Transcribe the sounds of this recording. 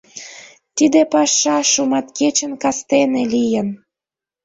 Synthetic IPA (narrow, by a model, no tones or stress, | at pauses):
t̪id̪epɑʃːɑʃumɑt̪ket͡ɕə̆nkɑst̪enelijən